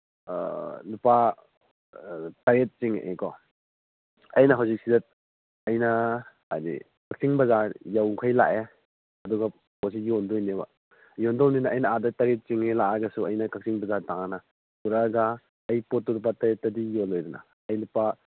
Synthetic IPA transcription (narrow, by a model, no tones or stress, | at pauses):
lupa | tɐɾet̚t͡ʃiŋʔḛkɔ | ɐjnɐɦawzik̚sidɐt̚ | ɐjnɐ | a̰dḭ | kak̚siŋbɐzaɾjawkʰajla̰ʔe | ɐduɡɐ | pɔs̬ijɔndɔjneba̰ | jɔndɔwninaʔːjnɐadɐtɐɾet̚t͡ʃiŋelaʔaɡɐsuɐjnɐkak̚siŋbɐzaɾtaŋanɐ | uɾaɡaː | jpɔt̚ːulup̬ataɾet̚ːɐdijolojduna̰ | ɐjlupa